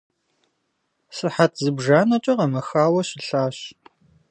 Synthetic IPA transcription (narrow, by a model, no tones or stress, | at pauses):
sɨħatʰzɨbʒaːnɐt͡ʃʼɐqɐmɐxaːwɐɕɪɬaːɕ